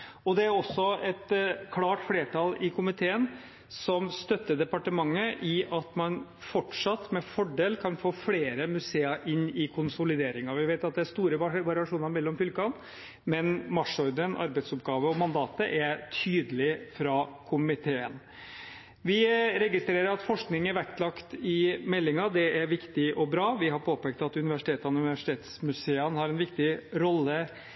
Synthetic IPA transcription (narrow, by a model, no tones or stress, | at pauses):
ɔd̪ɛæɾɔsːɔɛt̪kʰlɑːʈfleːʈʰɑlɪkʰʊmɪt̪ʰeːən | sɔmst̪œt̪ːəd̪ɛpɑʈəmɑŋːəʔɪʔɑt̪mɑnfɔʈʂɑt̪ːmɛfɔɖeːlkʰɑnfoːfleːɾəmʉseːəʔɪnːɪkʰʊnsʊlɪd̪eːɾɪŋɑʋɪʋeɪt̪ɑt̪̚d̪ɛæɾst̪uːɾəʋʋɑɾɪɑʂuːnɑɾmɛlːɔmfʏlkɑn | mɛnmɑʂɔɾd̪ənʔɑ̰ɾbɛɪt̪sʊpɡɑːʋəɔmɑnd̪ɑːt̪əʔɛɾt̪ʰyːd̪əlɪfɾɑkʰʊmɪt̪ʰeːən | ʋɪɾɛɡɪst̪ɾeːɾəɾɑt̪fɔʂknɪŋæɾʋæk̚t̪lɑkt̪ɪmɛlːɪŋɑd̪ɛæɾʋɪkt̪ɪʔɔbɾɑːʋɪɦɑɾpʰoːpɛk̚t̪ɑt̪ʉnɪʋæʂɪ̥t̪ʰeːt̪ɑnʉnɪʋæʂɪ̥t̪ʰeːt̪smʉseːənhɑɾɛnʋɪkt̪ɪɾɔlːə